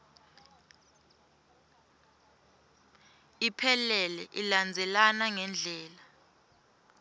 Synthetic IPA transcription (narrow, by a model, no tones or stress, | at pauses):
ipʰɛlɛlɛʔiland͡zʱɛlanaŋɛnd͡ɮʱɛːla